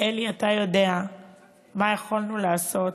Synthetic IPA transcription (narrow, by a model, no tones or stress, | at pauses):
eliatajo̞de̞a | majeχolnulaːso̞t